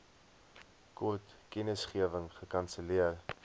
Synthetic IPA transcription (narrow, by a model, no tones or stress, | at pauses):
kutkɛnəsχiəvəŋχəkɐnsəliər